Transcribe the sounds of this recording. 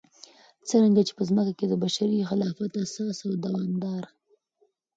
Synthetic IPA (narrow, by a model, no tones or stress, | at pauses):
t͡səɾaŋɡat͡ʃe̥pəzməkaked̪əbaʃaɾixɪlɑfat̪asɑsawd̪awɑmd̪ɑɾ